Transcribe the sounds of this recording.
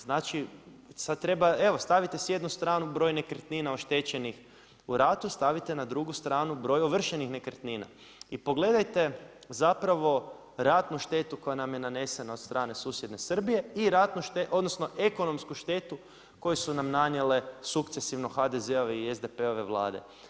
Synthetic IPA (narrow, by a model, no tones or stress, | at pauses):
znat͡ʃi | sad̪̚t̪ɾe̞bae̞ʋo̞st̪aʋit̪esje̞d̪nust̪ɾaːnubɾo̞ːjne̞kɾt̪niːnaoʃt̪e̞t͡ɕe̞nix | uɾat̪ust̪aʋit̪enad̪ɾuɡust̪ɾaːnubɾo̞joʋr̩ʃenixne̞kɾt̪niːna̰ | ipo̞ɡle̞d̪ajt̪e̞zapɾaʋo̞ | ɾat̪nuʃt̪e̞ːt̪uko̞janamjenane̞se̞naot̪st̪ɾʔaːne̞suːsjed̪ne̞sr̩bije̞iɾat̪nuʃt̪eʔo̞d̪nosno̞ʔe̞ko̞no̞mskuʃt̪e̞t̪u | ko̞jesunamnanjele̞sukt̪sesiʋno̞xad̪e̞ze̞o̞ʋeiezd̪e̞pe̞o̞ʋe̞ʋlˠa̰ːd̪e̞̰